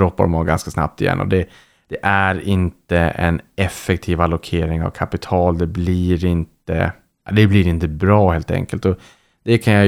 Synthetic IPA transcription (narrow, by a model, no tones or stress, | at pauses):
ɾɔpːaɾɔmaɡanskasna̰p̚t̪ɪjɛ̰nːʔɔ̰d̪ɛ | d̪̥ɛʔæɾɪnt̪əɛ̰nɛfːɛk̚t̪ʰiːvalːʊkʰeːɾɪŋa̰vkʰapɪt̪ʰɑːld̪ɛbliɾɪnt̪ə̰ | d̪ɛbliɾɪnt̪əbɾɑːheːlt̪ɛ̰ŋkəlt̪ɔ | d̪̥ɛkʰanja